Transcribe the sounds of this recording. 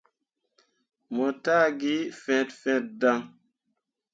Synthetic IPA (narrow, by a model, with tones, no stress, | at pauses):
mo˨taː˦ɡi˦fɛ̃˨tfɛ̃˦t̚da˦ŋ